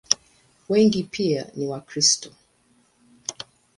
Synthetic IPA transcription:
wɛŋɡipʰia̰niwakɾistɔ̥

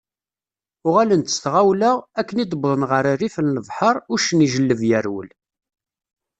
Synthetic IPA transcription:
ʊʁælənt̪əsθʁawlæækːənid̪əbðˤənʁəɾərːifənləvˤħəɾˤʊɾʃəniʒəlːəvjæɾwə̰l

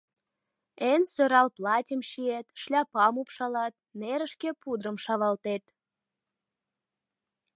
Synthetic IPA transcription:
ensøɾɑlplɑtʲəmʃiet̪ʃlʲɑpɑmupʃɑlɑt̪̚neɾəʃkepud̪ɾəmʃɑβɑlt̪et̪

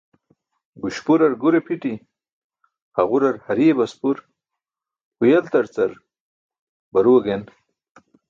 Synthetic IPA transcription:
ɡuɕpuɾɐɾɡuɾepʰiʈi | haɣuɾɐɾhɐɾiebɐspuɾ | hujɐlt̪ɐɾt͡sɐɾ | bɐɾuɐɡen

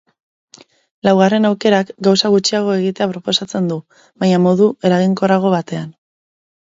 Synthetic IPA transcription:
lawɣ̞are̞nawke̞ɾakɡawsaɣut͡ʃiaɣ̞o̞e̞ɣit̪e̞apɾo̞po̞sat͡se̞nd̪u | βajɲamo̞ðue̞ɾaɣ̞iŋko̞raɣ̞o̞βat̪e̞an

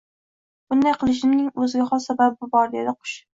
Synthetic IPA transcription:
b̥ʊnd̪ajqʰɨlˠɪʃ̬ɪmnɪŋɵzɪɡʲaχɒlˠsababɪbʊbɒɾd̪ed̪ɪqʰʊ̥ʃ

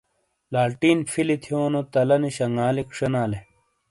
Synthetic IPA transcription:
laːʈiːnfʰilit̪ʰijoːnot̪ɐlɐniɕɐŋɡaːlikʂɐnaːle

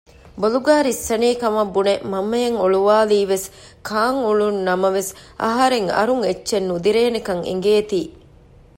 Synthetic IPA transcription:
boluɡaːɾisːɐniːkɐmɐbːunemɐmːɐjɐŋoɭuʋaːliːʋes | kʰaːŋuɭunːɐmɐʋesʔɐ̰ɦɐɾeŋɐ̰ɾuŋet͡ʃːʃenːud̪iɾeːnekɐŋḛŋ̆ɡeːt̪iː

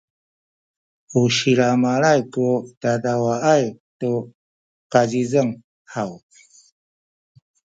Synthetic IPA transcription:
uɕiɾamaɾajkudadawaajtu | qad͡ʒizəŋ | haw

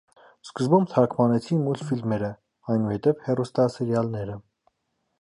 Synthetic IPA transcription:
skəzbumb̚t̪ʰɑɾkʰmɑnɛt͡sʰinmulfilmɛɾə | ɑjnuhɛt̪ɛvhɛrust̪ɑsiɾjɑlnɛɾə

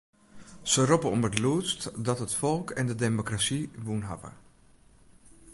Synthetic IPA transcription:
sərɔpəɔmətluːstdɔtɦətfɔlˠkʰɛndədemokrasiʋunɦa̰və̰

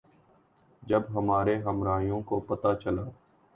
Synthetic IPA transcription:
d͡ʒəbɦəmaːɾeɦəmɾaːijõkopət̪at͡ʃəlaː

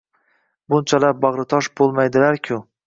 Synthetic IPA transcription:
bʊnt͡ʃʰalaɾbɑʁɾɪt̪ʰɒʃbolˠmajd̪ɪlaɾkʲʰʊ

